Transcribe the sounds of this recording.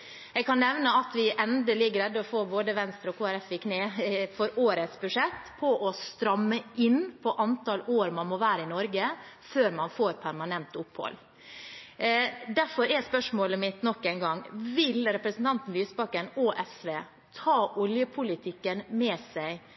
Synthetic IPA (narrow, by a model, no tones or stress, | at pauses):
jɛɡkɑnːɛʋnəɑt̪ʋɪʔɛnd̪əliːɡɾɛd̪ːɔfoːboːd̪əʋɛnst̪ɾəɔkʰoːæɾɛfɪkneːfɔɾoːɾət̪sbʉʂɛt̪ːpʰɔʔɔst̪ɾɑmːəʔɪnpʰɔʔɑnt̪ʰɑloːɾmɑnmɔʋæːɾəɪnɔɾɡəføːɾmɑnfoːɾpʰæɾmɑnɛnt̪ʊpːhɔ̰l | d̪æɾfɔɾɛspœʂmoːləmɪt̪nɔkːæɪnɡɑŋːʋɪlɾɛpɾəsn̩t̪ʰɑnt̪n̩lyːsbɑkənɔʔɛsʋeː | t̪ʰɑːʔɔljəpʰʊlɪt̪ʰɪkːənmɛːsæɪ